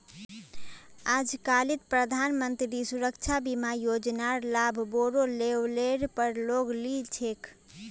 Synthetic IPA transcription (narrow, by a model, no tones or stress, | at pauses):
ad͡ʒkalit̪pɾəd̪ʱanmənt̪ɾisuɾəkt͡ʃʰabimajod͡ʒnaɾlabʱboɾoleleɾpəɾloɡlit͡ʃʰekʰ